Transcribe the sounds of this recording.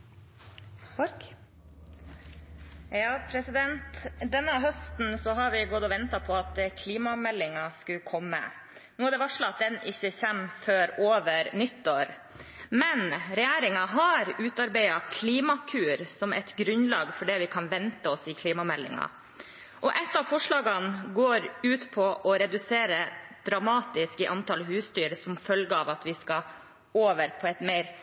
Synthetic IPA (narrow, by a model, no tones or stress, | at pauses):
jɑːpʰɾɛsɪd̪ɛnt̪d̪ɛnːəɦœst̪n̩sɔɦɑɾʋɪɡɔd̪ɔʋɛnt̪ɑpʰɔɑt̪kʰliːmɑmɛlːɪŋɑskʉkʰɔmːə̰ | nuːæd̪ɛʋɑʂlɑɑt̪̚d̪ɛnɪçːəçɛmføːɾoːʋəɾnʏt̪ːoːɾ | mɛnɾɛjæːɾɪŋɑɦɑɾʉːt̪ɑɾbæɪɑkʰliːmɑkʰʉːɾsɔmɛ̰t̪ɡɾʉnlɑːɡfɔɖɛːʋɪkʰɑnʋɛnt̪əɔsɪkʰliːmɑmɛlːɪ̰ŋɑ̰ | ʔɔʔɛt̪ːɑʋfɔʂɭɑːɡɑnɡoːɾʉːt̪pʰɔʔɔɾɛd̪ʉseːɾəd̪̥ɾɑmɑːt̪ɪskɪʔɑnt̪ɑlɦʉːsst̪yːɾsɔmfœlɡəɑʋɑt̪ʋɪskɑ | oːʋəɾpʰɔɛt̪meɪɾ